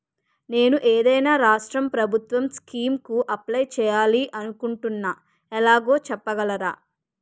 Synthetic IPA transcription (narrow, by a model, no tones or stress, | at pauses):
ne̞ːnuʔeːd̪ɐjnaːɾaːʂʈɾɐmpɾɐbʱut̪ʋɐmskiːmkuʔɐplɐjt͡ʃɛːjaːliʔɐnukuɳʈunːaː | ɛlaːɡo̞ːt͡ʃɛpːɐɡɐlɐɾa̰ː